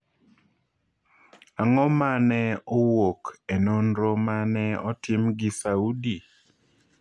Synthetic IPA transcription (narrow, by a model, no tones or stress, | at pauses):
aŋɔmanɛowokenonɾomanɛɔtɪmɡɪsaudi